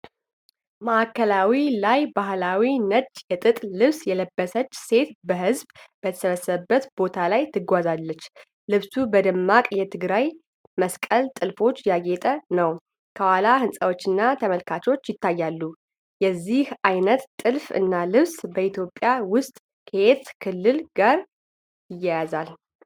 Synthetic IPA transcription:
məʔakʰːəlawilajbahlawinət͡ʃːjɛt̪ʼɨt̪ʼlɨβsjɛləbːəsət͡ʃːse̞t̪bəɦɨzbbət̪ʰə̥səβəsːəβəbːət̪bo̞t̪ʰalajt̪ʰɨɡʷazalːət͡ʃː | lɨβsubəd̪ɨmːakʼjɛt̪ʰɨɡɾaj | məskʼəlt̪ʼɨlfo̞t͡ʃːjaɡe̞t̪ʼənəw | kʰəwalahɨnsʼəwot͡ʃːɨnːat̪ʰəməlkʰat͡ʃo̞t͡ʃːjɪt̪ʰːajːalːu | jɛzːihʔajnət̪t̪ʼːɨlfɨ̰nːalɨβsbəit̪ʰjopʼːjawʊst̪ʼ | kʰəeet̪kʰɨlːɨlɡaɾ | jɪjːajazal

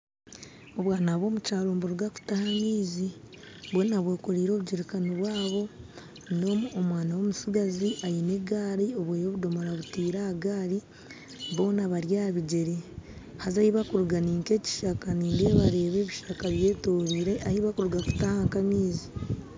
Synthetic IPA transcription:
oβwaːnaβwo̞ːmut͡ʃaːɾoːmboɾuɡaku̥tahamiːzi | βonaβweːkoɾiːɾo̞ːβuɟiɾekaniβwaːβo̞ | o̞muomwaːnawo̞musuɡaziʔajine̞ɡaːɾio̞βwejo̞βudo̞moɾaβutiːɾaaɡaːɾi | βo̞ːnaβaɾjaːβiɟe̞ɾehazahiβakuɾuɡaniːŋke̞ːci̥ʃakaniːndeβaɾe̞ːβe̞ːβiʃakaβje̞ːtoːɾiːɾeʔahiβakuɾuɡaku̥tahaŋkamiːzi

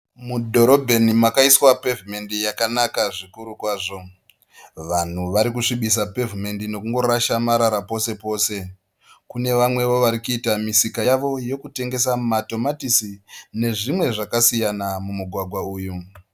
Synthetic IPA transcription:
mudʱo̞ɾo̞bʱe̞nimakaiswape̞vime̞ndijakanakaʐikuɾukwaːʐo̞ | ʋan̤uʋaɾikuʂiɓis̬ape̞vime̞ndino̞kuŋɡo̞ɾaʃamaɾaɾapo̞se̞po̞ːse̞ | kune̞ʋamwe̞ʋo̞ʋaɾikuitamisikajaʋo̞je̞kute̞ŋɡe̞samato̞matisine̞ʐimwe̞ʐakasijanamumuɡʱwaɡʱwauːju

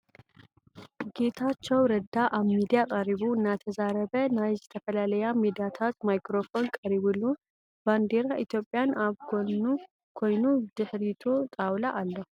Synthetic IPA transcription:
ɡ̥e̞t̪ʰat͡ʃːɛwɾɐd̪ːaʔaβmid̪ijakʼaɾiβuɨnːat̪ʰəzaɾəbənajzɛt̪ʰəfəlaləjamid̪ijat̪ʰat̪majkɾo̞fo̞nkʼɐɾiβulːu | band̪e̞ɾaʔit̪jo̞pʼːjanaβko | kʰo̞jnud̪̥ɨħɾit̪ʰot̪ʼawlaʔalːɐhu

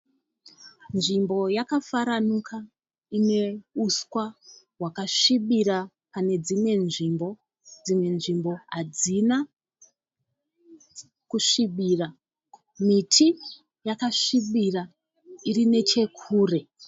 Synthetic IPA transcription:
nʐimbo̞jakafaɾanukʰa | ine̞uskwa | wakaʂiɓiɾa | pane̞d͡zimwe̞nʐimbo̞ | d͡zimwe̞nʐimbo̞ɦad͡zina | kuʂiɓira | mitʰi | jakaʂiɓira | irine̞t͡ʃe̞kʰuːre̞

